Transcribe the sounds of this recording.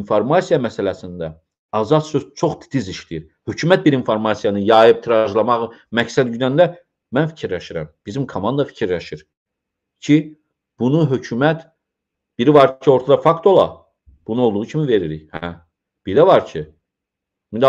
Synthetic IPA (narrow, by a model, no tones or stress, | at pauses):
nfoɾmɑsijɑmæsælæsind̪æ | ɑzɑd̪søzt͡ʃʰo̞χd̪id̪iziʃlijiɾ | hø̞cʰymæt̪̚biɾinfoɾmɑsjɑnɯjɑːjɯb̚t̪ʰiɾɑʒlˠɑmɑʁmæcsæd̪yd̪ænd̪æ | mænfi̥cʰiɾlæʃiɾæ̰mb̥izimkʰomɑnd̪ɑfi̥cʰiɾlæʃiɾ | cʰi | b̥unuɦø̞cʰymæt̪ | b̥iɾivɑɾcʰio̞ɾt̪ʰɑd̪ɑfɑkt̪o̞lˠɑ̰ | b̥unuolˠd̪uʁucʰimive̞ɾiɾḭçhæ | b̥ilævɑɾcʰi | mind̪